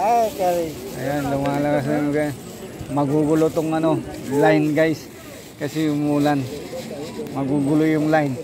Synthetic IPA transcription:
akaɾia̰janlʊŋalakas̬noɡa | mɐɡuɡʊlot̪oŋɐnolajnɡajs | kɐsɪʊmuːlan | mɐɡuːɡʊlojʊŋlajn

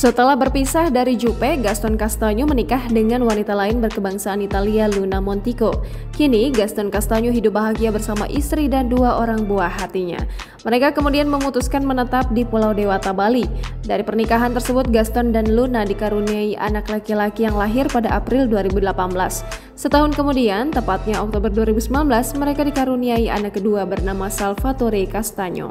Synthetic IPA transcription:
sət̪əlahbərpisahdaɾid͡ʒupɛɡast̪ɔnkast̪aɲumənikahdəŋanwanit̪alaɪnbərkəbaŋsaːnit̪alialunamɔnt̪iko | kiniɡast̪ɔnkast̪aɲuɦidʊp̚baɦaɡiabərsama̰ʔist̪ɾidanduaʔoɾaŋbuaɦat̪iɲa̰ | məɾekakəmudianməmut̪uskanmənət̪ap̚dipulawdewat̪abalidaɾipərnikaɦant̪ərsəbʊt̪̚ɡast̪ɔndanlunadikaɾuniaiʔa̰naklakilakijaŋlaɦɪrpadaʔapɾɪlduaɾibudəlapanbəlasː | ət̪aɦʊnkəmudiant̪əmpat̪̚ɲaɔk̚t̪obərduaɾibusəmlanbəlasməɾekadikaɾuniaiʔa̰nakːəduabərnamasalfat̪oɾikast̪aɲo̰

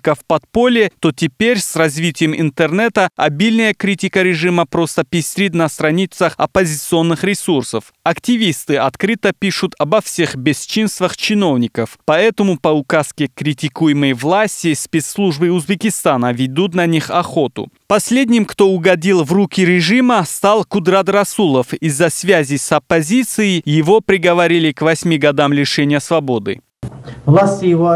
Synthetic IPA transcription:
kəfpɐt̪po̞lʲɪt̪o̞tʲɪpʲeɾʲsrɐzvʲitʲɪjəmɪ̰nt̪ərnɛt̪əɐ̰bʲilʲnəjəkɾʲitʲɪkəɾʲɪʐɨməpɾo̞st̪əpʲɪsʲɾʲid̪nɐst̪ɾɐnʲit̪səxɐ̰pɐzʲɪt̪sɨo̞nːɨxɾʲɪsursəf | ɐktʲɪvʲist̪ɨɐt̪kɾɨt̪əpʲiʂʊt̪ʰɐbɐfsʲe̞xbʲɪst͡ʃinst̪vəxt͡ɕɪno̞vnʲɪkəfpɐɛt̪əmʊpɐʊkaskʲɪkɾʲɪtʲɪkujɪməjvlˠasʲtʲɪspʲet̪slˠuʐbɨʊzbʲɪkʲɪst̪anəvʲɪd̪ut̪nɐnʲixɐxo̞t̪ʊ̰ | pɐsʲlʲed̪ʲnʲɪmkt̪o̞ʊɡɐdʲilˠvrukʲɪɾʲɪʐɨməst̪alˠkʊd̪ɾat̪rɐsulˠəfizːɐsvʲazʲɪsɐpːɐzʲit̪sɨjɪjɪvo̞pɾʲɪɡəvɐɾʲilʲɪkvɐsʲmʲiɡɐd̪amlʲɪʂɛnʲɪjəsvɐbod̪ɨ̰ | vlˠasʲtʲɪjɪvo

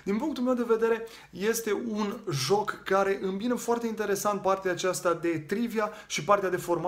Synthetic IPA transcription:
d̪inpuŋkt̪ulmewd̪e̞ve̞d̪e̞ɾe̞ | je̞st̪e̞unʒo̞kːaɾe̞ʔɨmbinəfoart̪e̞int̪e̞ɾe̞sant̪̚part̪eaːt͡ʃast̪ad̪e̞t̪ɾiviaʃipart̪ead̪e̞fo̞rma

